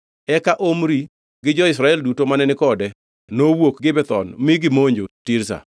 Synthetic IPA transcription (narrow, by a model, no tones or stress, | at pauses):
ɛkaʔomɾi | ɡɪd͡ʒɔɪs̬ɾaɛldutomanɛnɪkɔdɛ | nowokɡɪbɛt̪ɔ̰nmɪɡɪmoɲd͡ʒotɪɾsa̰